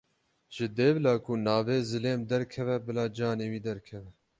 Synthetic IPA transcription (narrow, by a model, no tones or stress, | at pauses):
ʒ̥ɨd̪eːblɑːkunɑːveːzɨleːmd̪ɛɾkʰɛvɛbɨlɑːd͡ʒɑːneːwiːd̪ɛɾkʰɛvɛ